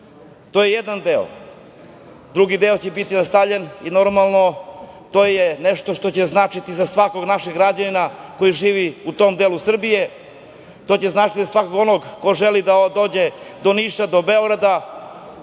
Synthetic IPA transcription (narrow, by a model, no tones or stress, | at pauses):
t̪oːjejed̪and̪eo̰ | d̪ɾuɡid̪e̞ot͡ɕebit̪inast̪avʎenino̞ɾmalˠno̞t̪oːjeneʂt̪oʃt̪o̞t͡ɕeznaːt͡ʃit̪izasʋako̞ɡnaʃeɡɾad͡ʑaninako̞jiʒiːʋiut̪o̞md̪elusr̩bije̞ | t̪o̞ːt͡ɕeznaːt͡ʃit̪izasʋakoɡo̞noɡko̞ʒelid̪ad̪o̞ːd͡ʑe̞d̪o̞niʃad̪o̞be̞oɡɾad̪a